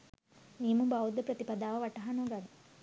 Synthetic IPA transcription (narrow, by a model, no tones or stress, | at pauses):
niːmubawd̪ɐpɾɐt̪ipɐd̪aːʋɐʋɐʈːɐɦɐnoːɡadi